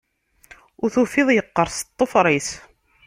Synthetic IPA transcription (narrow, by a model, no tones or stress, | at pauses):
ʊɾθufɪðˤjəqːəɾˤst̪ˤːofɾˤis